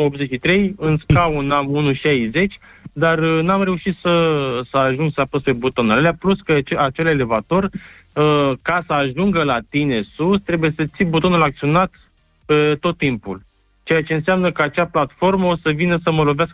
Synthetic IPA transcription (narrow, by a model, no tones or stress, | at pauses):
op̪̚ze̞t͡ʃʲʃit̪ɾe̞jɨnskaunamunuʃajze̞t͡ʃʲ | d̪arnamɾe̞uʃit̪səsəaʒuŋɡsəlapospe̞but̪o̞nalelʲapluskət͡ʃat͡ʃe̞le̞le̞vat̪o̞r | əkasəaʒuŋɡəlat̪ine̞sust̪ɾe̞buje̞sət̪sibut̪o̞nulak̚t̪sio̞nat̪ | ət̪ːo̞t̪ːimpṵl | t͡ʃejat͡ʃe̞ɨnseamnəkaat͡ʃaplat̪fo̞rməo̞səvinəsəməlo̞veask